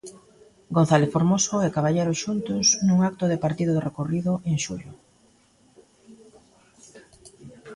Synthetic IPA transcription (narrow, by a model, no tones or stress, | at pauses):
ɡon̟θaleθfoɾmosoɛkaβaʎejɾʊʃunt̪ʊsnũŋak̚t̪ʊðɪpaɾt̪iðʊðɪrekoriðʊʔeŋʃṵʎʊ